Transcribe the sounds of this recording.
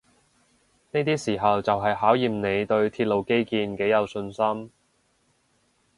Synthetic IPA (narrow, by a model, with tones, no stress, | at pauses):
ne˥jt̪iː˥siː˨˩ɦɐ˨wt͡sɐ˨wɦɐ˨jɦaː˨˥wjiː˨˩mne˨˧jt̪ɵ˧ɥt̪ʰiː˧t̚lo˨˧wke˥jkiː˧nke˨˥jɐ˨˧wsɵ˧nsɐ˥m